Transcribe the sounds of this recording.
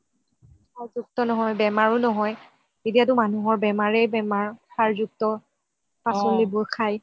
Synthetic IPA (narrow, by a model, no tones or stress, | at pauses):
pʰaɹzuk̚tɔnɔɦɔjbɛmaɹʊnɔɦɔj | etijatʊmanuɦɔɹbɛmaɹɛjbɛmaɹtʰaɹzuk̚tɔ | pasolibojkʰaj